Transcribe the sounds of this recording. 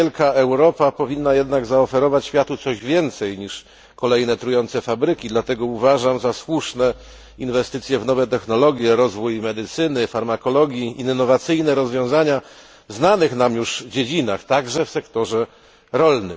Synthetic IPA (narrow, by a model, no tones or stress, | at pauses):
ɛlkaɛwɾɔpapɔvʲinːajɛd̪naɡzaɔfɛɾɔvat͡ɕɕfʲjat̪ut̪sɔʑvʲjɛnt̪sɛjɲiʂ | kɔlɛjnɛt̪ɾujɔnt̪sɛfabɾɘkʲid̪lat̪ɛɡɔuvaʐamzaswuʂnɛ | invɛst̪ɘt̪sʲjɛvnɔvɛt̪ɛxnɔlɔɡʲjɛɾɔzvujmɛd̪ɘt̪sɘnɘfaɾmakɔlɔɡʲjiinːɔvat̪sɘjnɛɾɔzvʲjɔ̃w̃zaɲa | znanɘxnamjuʐvd͡ʑed͡ʑinaxt̪aɡʐɛfsɛkt̪ɔʐɛ | ɾɔlnɘ̰m